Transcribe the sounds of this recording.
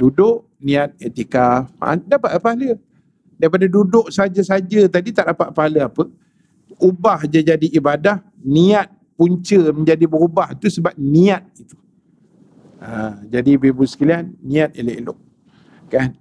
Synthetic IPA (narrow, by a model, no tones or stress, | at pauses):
dudʊʔ | nĩat̪̚et̪ikam̰dapat̪̚apaalə | daɾipadadudʊʔsad͡ʒasad͡ʒət̪adit̪aʔdapat̪ʔ̪̚paɦaləapə | ubahd͡ʒad͡ʒadiʔibadah | niat̪̚puɲt͡ʃəməɲd͡ʒadibəɾubaht̪usəbap̚niat̪̚it̪u̥ | əd͡ʒadibebusə̥kilianːĩat̪̚elḛʔlʊ̰ʔ̚ | kan